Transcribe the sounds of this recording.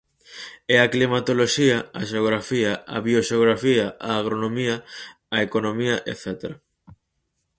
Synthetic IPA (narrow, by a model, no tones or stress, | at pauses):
ɛaklimat̪oloʃiɐɐʃeoɣɾafiɐɐ̰βioʃeoɣɾafiɐaːɣ̞ɾonomiɐ | ɐekonomiɐʔḛθɛt̪eɾɐ